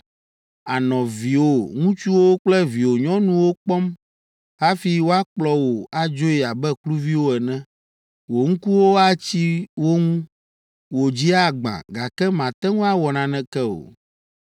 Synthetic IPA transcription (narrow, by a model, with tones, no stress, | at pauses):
a˨nɔ̃˨vi˨wo˦ŋũ˦t͡ʃu˦wo˦k͡plɛ˦vi˨wo˨ɲɔ̃˦nũ˦wo˦k͡pɔ˦m | ɦa˦fi˦wo˦a˦k͡plɔ˦wo˨a˦d͡ʒo˦i˨a˨bɛ˦klu˦vi˦wo˦ɛ˨nɛ̃˦ | wo˨ŋ̩̃˦ku˦wo˦a˦t͡ɕi˦wo˦ŋũ˦ | wo˨d͡ʑi˦a˦ɡ͡bã̰˨ɡa˨kɛ˦mã˨t̪ɛ˦ŋũ˦a˦wɔ˨nã˨nɛ̃˦kɛ˦o̰˨